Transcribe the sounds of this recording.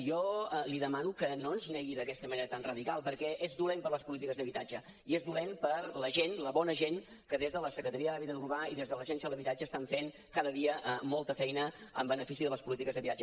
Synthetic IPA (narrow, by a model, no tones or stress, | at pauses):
jɔliðəmanukənonznɛɣiðəkɛst̪əməneɾət̪anrəðikalˠpəɾkɛʔezðulempəɾləspulit̪ikəzðəβit̪ad͡ʒə | iezðulenpəɾləʒenləβɔnəʒen | kəðezðələsəkɾət̪əɾiəðəaβit̪əðuɾβaiðezðələʒɛnsiəðələβit̪ad͡ʒəːst̪aɱfen | kaðəðiəʔəmɔlˠt̪əfɛjnəə̰mbənəfisiðələspulit̪ikəzðəβit̪ad͡ʒə